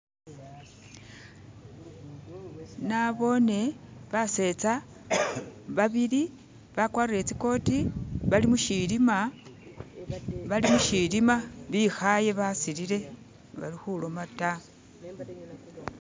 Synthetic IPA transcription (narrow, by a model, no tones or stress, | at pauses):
naβo̞ne̞βase̞t͡sa | βaβili | βakwaːriɾe̞t͡siko̞tiβalimuʃilima | βalimuʃilimaβixaje̞βasilile̞ | βa̰lixulomata